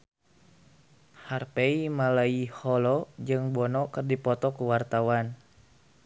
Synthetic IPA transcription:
harpeimalaihɔlɔd͡ʒɨŋbɔnɔkɨrdipɔt̪ɔkuwart̪awan

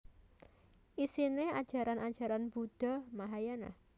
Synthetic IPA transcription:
ʔisinead̥ʒ̥a̤ɾanʔad̥ʒ̥a̤ɾanb̥ud̪̥ɔ̤maɦajana̰h

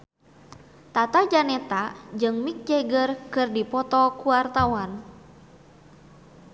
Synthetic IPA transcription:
t̪at̪ad͡ʒanɛt̪ad͡ʒɨŋmik̚d͡ʒɛɡərkɨrdipɔt̪ɔkuart̪awan

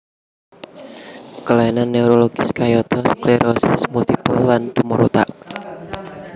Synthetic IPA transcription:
kəlajinanːeuɾoloɡ̥ɪskajɔt̪ɔskleɾʔɔsɪsmult̪ipəlːand̪umɔɾot̪a̰ʔ

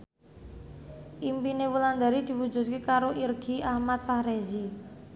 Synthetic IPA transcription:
ʔimpinewuland̪a̤ɾid̪̥i̤wu̥d͡ʒṳt̪̚kekaɾoʔirɡ̥iahmat̪̚fahɾezi

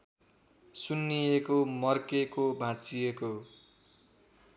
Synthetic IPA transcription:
sunːijekomʌrkekobʱãt͡sijeko

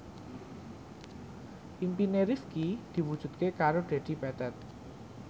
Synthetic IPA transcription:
ʔimpineɾiskid̪̥i̤wud̥ʒ̥ṳt̪̚kekaɾoɖ̪̥e̤d̪̥i̤pɛt̪ɛt̪̚

